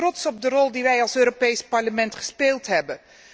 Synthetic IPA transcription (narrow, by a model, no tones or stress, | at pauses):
rɔtsɔb̚dərɔlˠdiʋɛjɑlˠsøːɾopejspɑɹləmɛntχə̥speːlˠtɦɛbən